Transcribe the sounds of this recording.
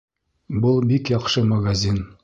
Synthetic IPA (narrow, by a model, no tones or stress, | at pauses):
bɤlˠbikjɒqʃɤmɐɡazʲin